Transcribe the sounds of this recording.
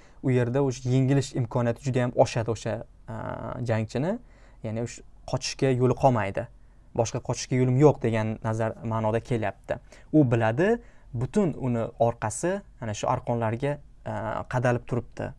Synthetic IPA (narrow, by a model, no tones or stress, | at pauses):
ʊje̞ɾd̪aoʃajeŋɪlɪʃɪmkʰɒnijat̪ʰɪd͡ʒʊd̪ajamʔɒʃad̪ɪoʃa | d͡ʒaŋt͡ʃʰɪnɪ | janɪʊʃqʰɒt͡ʃʰɪ̥ʃkʲajolˠɨqʰɒmajd̪ɪ | bɒʃqɑqʰɒt͡ʃʰɪ̥ʃkʲajolɪmjoqd̪e̞ɡʲanːazaɾmaːnɒd̪akʲʰe̞ljap̚t̪ʰɪ̰ | ʊbɪlad̪ɪ | bʊt̪ʊnʊnɪɒɾqʰɑsɪmanaʃʊʔa̰ɾqʰɒnlaɾɡʲa | qʰɑd̪alɪp̚t̪ʰʊɾɪp̚t̪ʰɪ̰